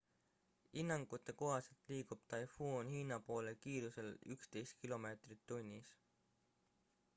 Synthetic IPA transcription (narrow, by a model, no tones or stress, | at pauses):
inːɑŋɡ̥ut̪ːˑe̞ko̞ɦɑselt̪liːɡ̥ub̥̚t̪ɑjfuːnhiːnɑpo̞ːlekiːɾuse̞lykst̪e̞jst̪̚kilo̞me̞ːt̪rit̪ːunʲːis